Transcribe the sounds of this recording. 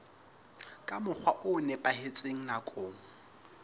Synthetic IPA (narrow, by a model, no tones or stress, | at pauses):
kʼamʊk͡xʰwaʔʊnɛpʼahet͡sʼeŋ̩nakʼoːŋ̩